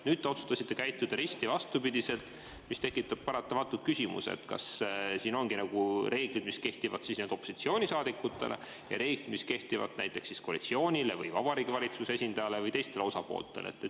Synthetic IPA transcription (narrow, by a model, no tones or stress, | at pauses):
nyːd̪̥̚t̪ːe̞o̞t̪su̥st̪ɑsit̪ːe̞kæjt̪ːˑud̪̥ɑɾist̪ivɑst̪upid̪ise̞lt̪ | mist̪e̞kːˑit̪ːˑɑb̥̚pɑɾɑt̪ːˑɑmɑt̪ːˑut̪̚kysimṵsḛt̪kɑ̰ssiːno̞ŋɡ̥inɑɡ̥ure̞ːɡ̥lid̪̥miske̞ht̪ivɑ̰d̪̥sisnen̥o̞pːˑo̥sit̪sio̞ːnʲisɑːd̪ikːˑut̪ːˑe̞̰lʔe̞̰ | jɑ̰ɾe̞ːɡ̥lid̥̪miske̞ht̪ivɑ̰t̪næ̰jt̪ːˑe̞ksːiskoɑlit̪sio̞ːnʲile̞vɯjvɑb̥ɑɾiɡivɑlʲit̪suseesʲind̪ɑjɑle̞vɯjt̪e̞jst̪e̞leo̞sɑpo̞̰ːlt̪ːˑe̞lḛḛt̪ːe